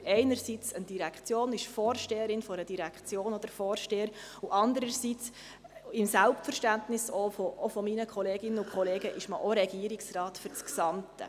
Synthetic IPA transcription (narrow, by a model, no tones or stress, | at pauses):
ɛɪnəɾsit͡sənd̥iɾɛkt͡sjoːnɪʃfɔːrʃteːəɾɪnfɔɾəd̥iɾækχt͡sjoːnɔd̪əɾfɔːrʃteːəɾ | uʔɑnd̪əɾəsit͡s | ɪmsælptfəɾʃtæntnɪsofoofɔminəkʰχɔleːɡɪnːəukʰχɔleːɡəʔɪʃməʔoɾɛɡ̥iəɾɪksrɑːtfʏɾt͡sksɑmtə̰